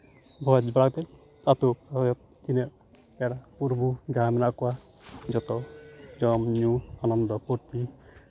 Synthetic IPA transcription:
bʱɔd͡ʒbɾaɡt̪ɛ | kat̪uajɔt̪̚ | t̪inɛ | ɛɽapuɾbuɡamɛnakua | d͡ʒɔt̪ɔd͡ʒɔmɲuanɔnd̪ɔpuɾt̪i

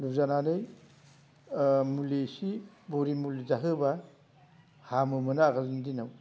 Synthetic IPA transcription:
lup̚zananɯj | mulisi | boɾimulizaɦɯba | hamɯmɯnaaɡalndinaw

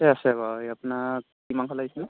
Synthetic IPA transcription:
ɛasɛbajapuna | kimankʰɔlaɡsin

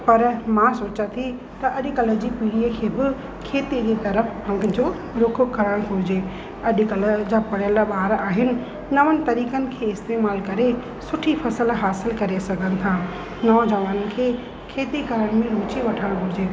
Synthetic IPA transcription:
pɐɾmãsoːt͡ɕat̪ʰi | t̪ɐʔɐʄʊkɐləd͡ʑiːpiːɽiəkʰeːbɪ | kʰeːt̪id͡ʑit̪ɐɾəfpɐ̃ŋɡd͡ʑoː | ɾʊkʰkɐɾəɽ̃ɦʊɪd͡ʑeː | ɐʄkɐləd͡ʑaːpɐɽjəlɓaːɦɾaːɦɪnɪ̆ | nɐʋənɪ̆t̪ɐɾiːkənɪ̆kʰeːɪst̪eːmaːlkɐɾe | sʊʈʰifʰɐsəlɦaːsɪlkɐɾesɐɡʱənɪ̆t̪ʰaː | nɔːd͡ʑɐʋaːnənɪ̆kʰeː | kʰeːt̪iɡʱɐɾəɽ̃ɪ̆mẽɾuːt͡ɕiʋɐʈʰəɽ̃ɦʊɪd͡ʑeː

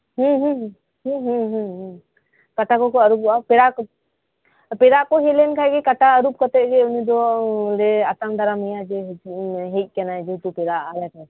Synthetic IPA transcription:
ɦũɦũ | ɦũɦũɦɦ | kaʈakɔkɔaɾup̚apɛɾak | pɛɾaʔkɔɦɛlɛnkʰaɛɡɛkaʈaəɾup̚kɔt̪ɛt̪̚ɡɛunid̪ɔlɛat̪aŋd̪aɾamijad͡ʒɛɦɦɛt̪̚ˀkɛnaɛd͡ʒuwt̪upɛɾaalɛkʰa

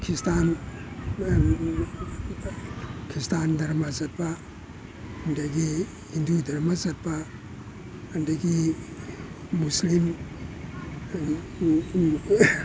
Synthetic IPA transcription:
kʰistan | kʰistandɐɾmazɐt̚ba | ɐndaɡi | hindudʱɐɾmazɐt̚ba | andaɡi | uslim

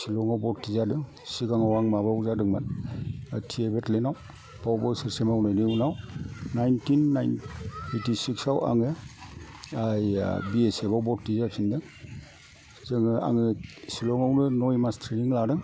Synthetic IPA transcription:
silɔŋawbɔttizadɯŋ | sikaŋawaŋmabawzadɯŋman | tʰiebetlenaw | b̥awbɔsiɾsemawnɯjnɯunawnajntinːajnejtisiksawa̰ŋɯ | ajbiesebawbɔttizapʰindɯ | zɯŋɯa̰ŋɯsilɔŋawnɯnɔjmastʰɾiniŋladɯŋ

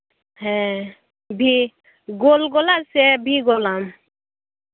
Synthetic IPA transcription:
ɦɛ̃ | bʱi | ɡolɡolasɛbʱiɡolam

